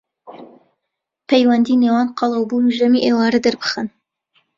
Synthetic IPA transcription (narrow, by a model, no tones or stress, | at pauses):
pʰejwɐnd̪iːneːwɑːnqʰɑlˠəwbunuʒɐmiːʔewɑːɾɐd̪ɨɾbɨ̥χɨn